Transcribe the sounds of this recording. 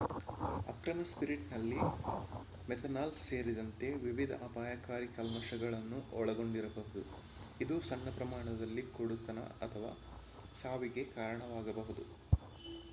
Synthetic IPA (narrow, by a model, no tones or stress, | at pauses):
ɐ̰kɾɐmɐspiɾiʈnɐlːi | mɛt̪ʰɐnaːlse̞ːɾid̪ɐnt̪e̞ʋiʋid̪ʱɐ̰ʔɐpaːjɐkaːɾikɐlmɐʃɐɡɐɭɐnːuʔɔɭɐɡo̞ɳɖiɾɐbɐɦud̪u | id̪usɐnːɐpɾɐmaːɳɐd̪ɐlːikoɽut̪ːɐnɐ̰ɐt̪ʰɐʋa̰ː | saːʋiɡe̞kaːɾɐɳɐʋaːɡɐbɐɦud̪u